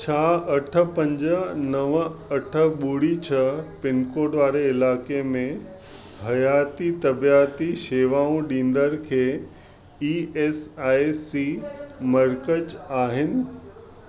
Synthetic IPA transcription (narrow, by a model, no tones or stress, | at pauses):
t͡ɕʰaːɐʈʰə̆pɐ̃ɲd͡ʑənɐʋɐʈʰə̆ɓuːɽit͡ɕʰɐpɪnkoːɖʋaːɾeɪlaːkemẽ | ɦɐjaːt̪it̪ɐbijaːt̪iʃeːʋaːũɗĩːn̆d̪əɾkʰeː | iːeːsaːjsimɐɾkət͡ɕaːɦɪnɪ̆